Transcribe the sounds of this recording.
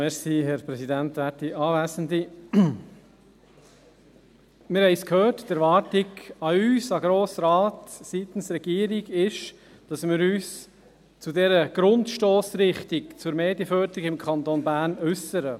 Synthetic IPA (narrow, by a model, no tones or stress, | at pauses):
mɛɾsiːɦɛɾpɾɛsidænt̪ʋætiʔɑːvæːsəndi | mɪɾhɛɪskʰhøːrtdɛɾvɑːɾtɪɡɑyːsɑɡɾoːsɾɑːtsit̪n̩sɾɛɡ̥iːəɾiɡɪʃ | d̥ɑsmɪɾyːs | t͡sudɛɾəɡ̥ɾʊntʃtoːsɾɪχtikt͡sʊɾmeːdjəfœːɾd̪əɾiɡɪmkʰɑnt̪onbæːɾnʏsəɾə